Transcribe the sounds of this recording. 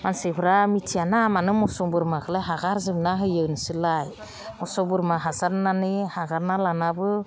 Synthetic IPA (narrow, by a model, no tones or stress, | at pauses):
mansebʰɯɾamitʰianamanɯmɔsɔbɯɾmakʰɯleɦaɡaɾzɯbnaɦɯjɯwnɯsɯlaj | mɔsɔbɯɾmaɦasaɾnanihaɡaɾnalanabɯ